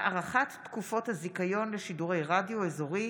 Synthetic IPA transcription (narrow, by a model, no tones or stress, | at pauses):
ʔaʁaχatːkufo̞thazikajo̞nleʃiduʁejʁadjoezo̞ʁi